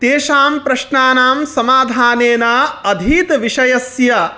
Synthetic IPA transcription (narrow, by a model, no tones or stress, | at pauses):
t̪eːʃaːmpɾɐʃɳaːnaːmsɐmaːd̪ʱaːneːnaːɐd̪ʱiːt̪ʋiʂɐjɐsjɐ